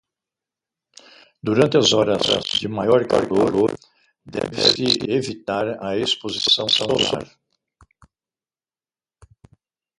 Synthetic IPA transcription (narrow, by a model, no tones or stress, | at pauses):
d̪uɾɐ̃nt̪ɪɐzɔɾɐzɐ̰zd͡ʒɪmajɔɾka̰ɾɡolʊ | d̪ɛ̰vɪsɪevit̪aɾɐespozisɐ̃w̃sɐ̃za̰ɾ